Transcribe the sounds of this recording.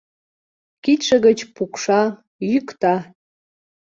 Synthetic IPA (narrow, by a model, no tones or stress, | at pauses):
kit̪ʃəɣət͡ɕpukʃɑ | jykt̪ɑ